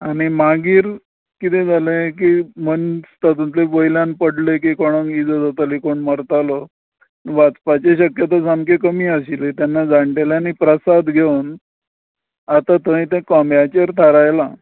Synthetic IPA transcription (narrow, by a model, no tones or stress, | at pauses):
aɽ̃imaɡiːɾ | kit̪ẽd͡zʱalekiːmənst̪at̪unt̪lebojljãnpəɽlekikɔɽ̃əŋid͡zəd͡zat̪əlikoɳməɾt̪alɔ | ʋat͡spat͡ɕeɕəkjət̪asamkekəmiːəɕilet̪janːad͡zaɳʈeljanipɾəsad̪ɡʱeun | at̪at̪əĩt̪ẽkɔmbjat͡ɕəɾt̪ʰaɾajla